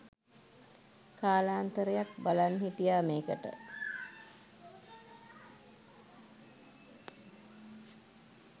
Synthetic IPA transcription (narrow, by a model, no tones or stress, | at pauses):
kaːlaːnt̪əɾəjak̚balanɦiʈijaːmeːkəʈə̰